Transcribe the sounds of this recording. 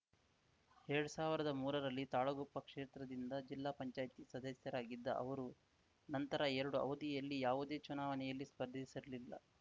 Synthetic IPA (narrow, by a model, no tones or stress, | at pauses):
ɛɾɐɽusaːʋiɾɐd̪ɐmuːɾɐɾɐlːit̪aːɭɐɡopːɐkʂeːt̪ɾɐd̪ind̪ɐd͡ʒilːaːpɐɲt͡ʃaːjt̪isɐd̪ɐsjɐɾaːɡid̪ːɐ̰ʔɐ̰ʋɐɾu | nɐnt̪ɐɾɐɛɾɐɽuɐ̰wd̪ijɐlːijaːʋud̪e̞ːt͡ʃunaːʋɐnɛjɐlːispɐɾd̪ʱisiɾɐlilːɐ̰